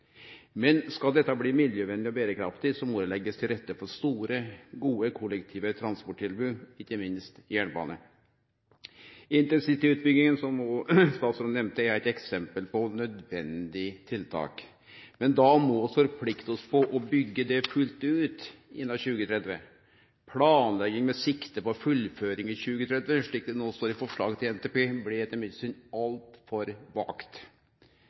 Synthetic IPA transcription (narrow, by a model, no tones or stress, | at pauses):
mɛnskɑd̪ɛt̪ːɑbliːmɪljəʋɛnlɪɔbeːɾəkʰɾɑ̰ft̪ɪsɔmɔd̪ɛlɛɡːəst̪ʰɪlɾɛt̪ːəfɔɾst̪uːɾəɡuːəkʰɔlːɛkt̪ʰiːʋət̪ʰɾɑnspɔʈʰːɪlbʉːɪkːəmɪnst̪jæːɳbɑ̰ːnə̰ | ɪnt̪ɛnsit̪ɪʉːt̪̚bʏɡ̪ːɪŋənsɔmɔst̪ɑːt̪sɾʉnnɛmnt̪əæɾæɪt̪ɛksɛmpəlpɔnœd̪ʋɛnd̪ɪt̪ʰɪlt̪ʰɑ̰ːk | mɛnd̪ɑmɔɔfɔɾpʰlɪkt̪əɔspʰɔʔɔbʏɡːəd̪ɛfʉlt̪ʉːt̪ɪ̰nːɑɕʉːɡət̪ʰɾɛd̪ʋə̰ | pʰlɑːnlɛɡɪŋmɛsɪkt̪əpɔfʉlføːɾɪŋɪçʉːɡət̪ʰɾɛd̪ʋəʂɭiːk̚d̪ɛnoːst̪oːɾɪfɔʂɭɑ̰ːɡət̪ʰɪlɛnt̪ʰeːpeːblɛɛt̪ːəɾmɪd̪syːnɑlt̪fɔɾʋɑ̰ːkt̪